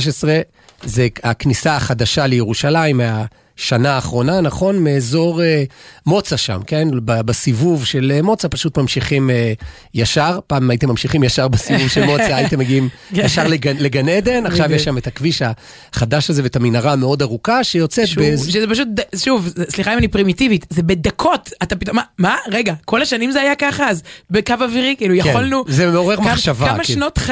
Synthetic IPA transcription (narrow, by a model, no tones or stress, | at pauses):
ʃ̬esʁe̞ | zeaknisaːχad̪aʃalejeʁuʃalaimːea | ʃanaːχʁo̞nanaχo̞nmeːzo̞ʁemo̞t͡saʃa̰mke̞nbabasivuvʃe̞lemo̞t͡sapaʃut̪mamʃiχime | jaʃaʁpaːmimaitemːamʃiχimjaʃaʁbesivuvʃelmo̞t͡saːjit̪emːeɡiimjaʃaʁleɡleɡaned̪e̞naχʃavjɛʃametakviʃa | χadaʃazevetaminaʁameo̞daʁukaʃejo̞t͡set̪̚beʃezepaʃ̬ut̚d̪aʃuvsliχaimanipʁimitivit̪zebe̞d̪akʰo̞tat̪apit̪omamaʁeɡako̞laʃanimzeajakaχaːzbekavaviʁikiːlujakχolnuzemeo̞ʁeʁmaχʃavkaamaʃnot